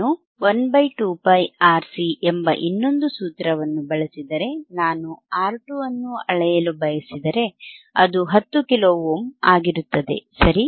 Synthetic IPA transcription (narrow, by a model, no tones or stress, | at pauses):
u | onbɐjʈuːpɐjaːɾsiʔembɐʔinːo̞nd̪usuːt̪ɾɐʋɐnːubɐɭɐsid̪ɐɾe̞naːnuaːɾʈuɐnːuɐɭɐjɐlubɐjɐsid̪ɐɾe̞ɐd̪uɦɐt̪ːukiloːʋoːmaːɡiɾut̪ːɐd̪e̞̰sɐɾi